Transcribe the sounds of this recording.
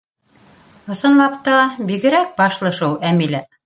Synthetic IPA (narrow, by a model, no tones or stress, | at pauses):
ŏsɤ̆nlˠɑpt̪ɑbiɡɘ̆ɾæk̚bɑʃlˠɤ̆ʃulˠæmilæ